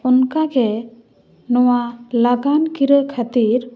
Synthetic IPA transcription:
ɔnkakɛ | nɔwalaɡankiɾəkʰat̪iɾ

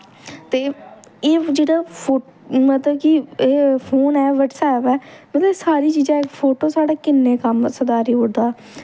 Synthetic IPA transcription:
t̪eːeːd͡ʒeːɽaːpʰoː | mət̪ləbkɪeːpʰoːnɛːʋəʈsɛːpɛːmət̪ləbsaːɾiːt͡ʃiːd͡ʒãːpʰoːʈoːsaːɽaːkɪnːeːkəmsəd̪aːɾiːʊɽd̪aː

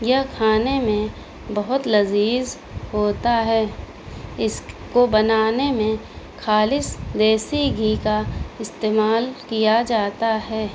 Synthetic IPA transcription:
jɐkʰaːnemẽ | bɐɦʊt̪lɐziːz | hoːt̪aɦɛː | ɪskobɐnaːnemẽ | kʰaːlɪsd̪eːsiɡʱiːkaɪst̪eːmaːlkijad͡ʒaːt̪aɦɛː

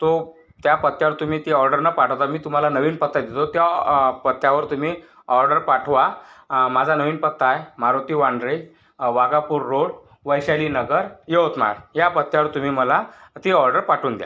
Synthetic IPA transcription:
t̪o | t̪japət̪ːjaʋəɾt̪um̤iːt̪iɔɾɖəɾnapaʈʰət̪amiːt̪um̤alanəʋiːnpət̪ːad̪et̪ot̪japət̪ːjaʋəɾt̪um̤iː | ɔɾɖəɾpaʈʰʋamad͡zʱanəʋiːnpət̪ːajmaɾot̪iːʋãɳɖɾe | ʋaɡapuːɾːoɽ | ʋəjɕaliːnəɡəɾjeot̪ma̰ɾjapət̪ːjaʋəɾt̪um̤iːməlat̪iɔɾɖəɾpaʈʰuːnd̪ja̰

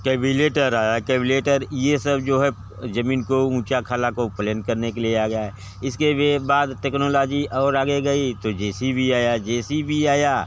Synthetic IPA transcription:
kɛːbileːʈəɾaːjakɛːbɪleːʈəɾjesɐb̚d͡ʒoːɦɛ | zɐmĩːnkoũːt͡ʃakʰaːlakoplɛ̃n̚kɐɾnekelieaːɡɐjaɦɛ | ɪskebaːd̪ʈɛːknolaːd͡ʒiɔːɾaːɡeɡɐit̪od͡ʒɛːsibʱiaːjad͡ʒɛːsibʱiaːjaː

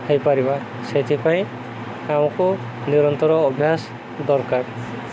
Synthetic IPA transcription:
hejpaɾiba | set̪ʰipaj̃ | kaw̃ku | niɾɔnt̪ɔɾɔːbʱjas | d̪ɔɾkaɾ

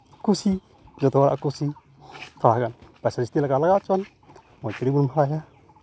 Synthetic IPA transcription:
kusi | d͡ʒot̪owaɾa̰ʔakusi | faaɡanpasaɾist̪ilakalaɡat͡ʃan | motiɾibunmabaja

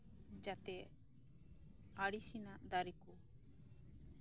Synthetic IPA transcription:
d͡ʒat̪ɛ | aɽisinaʔd̪aɾiku

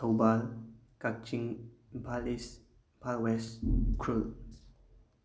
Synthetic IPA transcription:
towbalkak̚t͡ʃiŋbʱalis | palwɛskʰɾul

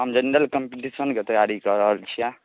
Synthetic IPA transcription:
ɦəmd͡ʒəneɾəlkəmpiʈisənket̪əjaɾikəɾəɦəlt͡ʃʰia

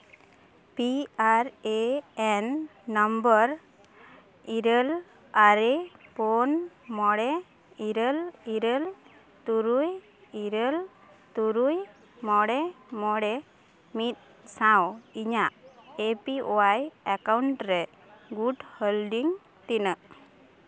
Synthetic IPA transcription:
piaɾeɛnːəmbəɾ | iɾəl | aɾepɔnmɔɽɛ | iɾəliɾel | t̪uɾuj | iɾəl | t̪uɾuj | mɔɽɛmɔɽɛ | mit̪̚ | sawiɲaʔepiowajakawɳʈɾɛ | ɡuɖhelɖiŋ | t̪inəʔ

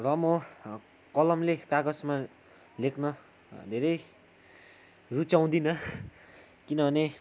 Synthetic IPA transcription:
rʌmʌ | kʌlʌmlekaɡʌsma | lekʰnʌ | d̪ʱeɾʌj | rut͡saw̃d̪inʌ | kinʌbʱʌne

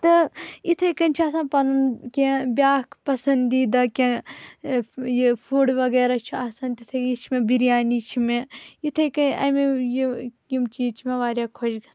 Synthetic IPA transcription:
t̪ɐit̪ʰɐkɐnʲt͡ʃʰiaːsãːnpɐnɐnkẽbjaːkʰpɐsɐnd̪iːd̪ɐkʲẽ | jifʰuːɽʋɐɡeːɾat͡ʃʰuaːsãnt̪it̪ʰɐit͡ʃʰimẽbiɾjaːnit͡ʃʰimẽit̪ʰɐkɐnɐ̰mej | jimt͡ʃiːt͡ʃʰmẽʋaːɾʲjaːkʰod͡ʒɡɐs

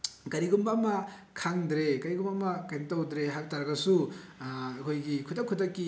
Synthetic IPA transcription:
kɐɾiɡumbamɐkʰaŋdɾekɐɾiɡumbamɐkantawdɾeɦabtaɾɐɡɐsu | ikʰojɡikʰudɐkʰːudɐkːi

